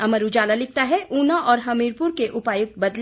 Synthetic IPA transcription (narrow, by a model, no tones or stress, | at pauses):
ɐməɾud͡ʒaːlalɪk̚t̪aɦɛʔuːnaʔɔːɾɦɐmiːɾpuɾkeʔʊpaːjʊk̚t̪̚bɐd̪l